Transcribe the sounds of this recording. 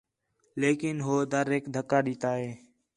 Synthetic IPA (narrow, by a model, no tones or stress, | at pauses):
leːkɪnɦoːd̪əɾeːkd̪ʱəkːaːɗiːt̪aːɦeː